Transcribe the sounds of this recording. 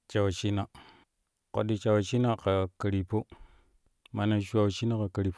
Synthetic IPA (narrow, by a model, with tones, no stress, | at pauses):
t͡ʃa˨wt͡ʃi˦na˦˨ | ko̰˨ɗi˨t͡ʃa˨wt͡ʃi˦na˦ka˨ka˨ɾi˨po˦ | ma˨na˨ʃu˦a˦˨wt͡ʃi˦na˦ka˨ka˨ɾi˨po˦